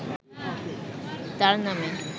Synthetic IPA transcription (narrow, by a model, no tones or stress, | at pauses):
t̪aɾname